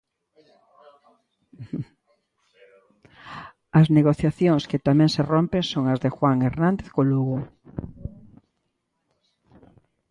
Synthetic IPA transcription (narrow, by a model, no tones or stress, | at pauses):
ɐzneɣoθjaθjoŋskɪt̪amɛ̃ŋserompeŋsoŋɐzðexwaŋeɾnãnd̪eθkoluɣʊ